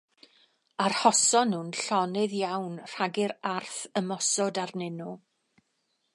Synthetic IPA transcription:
arhɔsɔnhʊnɬɔnɪðjawnr̥aɡɪɾarθəmɔsɔdarnɪnu

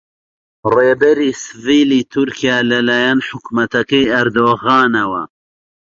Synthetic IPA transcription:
reːbɐɾiːsɨviːliːt̪ʰuɾkʰijaːlɐlaːjanħʊkmɐt̪ɐkɐjɐɾd̪oːɣɑːnɐwɐ̰

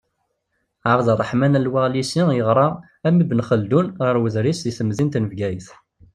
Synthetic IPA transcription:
ʕɾˤðˤrˤːəħmænælwæʁlisijəʁɾˤɑ | æmibənχəld̪unʁəɾwəzɾisðiθəmzint̪nəvɡæjəθ

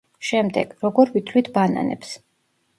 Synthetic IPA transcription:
ʃɛmd̪ɛ̰ɡ̥ɾɔɡɔɾvit̪ʰlit̪ʰbana̰nɛ̰ps

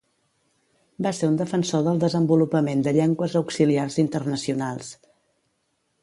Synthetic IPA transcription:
baseɾund̪əfənsoðəlˠd̪əzəmbulupəmend̪əʎɛŋɡwəzəwksiliarzint̪ərnəsiunalˠs

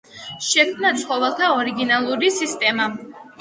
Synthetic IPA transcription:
ʃɛkʰmnat̪sʰχɔvɛlˠt̪ʰaɔɾiɡinalˠuɾisist̪ʼɛma

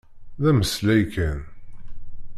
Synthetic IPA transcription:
ðæməslæjkæn

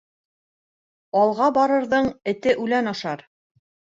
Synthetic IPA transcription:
ɑlˠʁɑbɑɾɤ̆ɾðɤɴɘ̆t̪ɘʔʉlænɑʃɑɾ

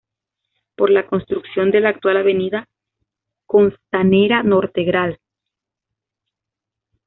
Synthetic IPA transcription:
po̞ɾlako̞nst̪ɾuksjo̞nd̪e̞laːk̚t̪walaβe̞niða | ko̞nst̪ane̞ɾano̞ɾt̪eɣɾal

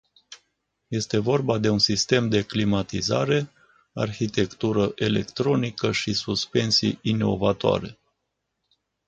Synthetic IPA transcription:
je̞st̪e̞vo̞rbad̪e̞unsist̪e̞md̪e̞klimat̪iza̰ɾe̞ | a̰rçit̪e̞kt̪uɾəʔe̞le̞kt̪ɾo̞nikəʃisuspe̞nsḭjino̞vat̪oa̰ɾe̞

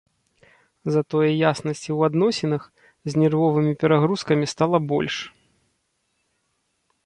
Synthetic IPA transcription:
zɐt̪ɔjɐjasnɐsʲt͡sʲiwad̪nɔsʲɛnɐx | zʲnʲɛrvɔvɨmʲipʲɛɾaɣɾuskɐmʲist̪alˠɐbɔ̰lʲʂ

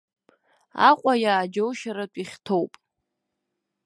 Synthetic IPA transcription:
aqʷʼajaːd͡ʒowʃaɾatʷʼiχʲtʰowpʼ

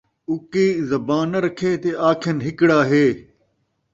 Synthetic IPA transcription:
ʊkiːzɐbaːnɐɾɐkʰeːt̪eaːkʰɐnɦɪkɽaːɦeː

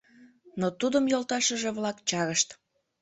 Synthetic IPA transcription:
not̪ud̪əmjolˠt̪ɑʃəʒeβlɑkt͡ɕɑɾəʃt̪

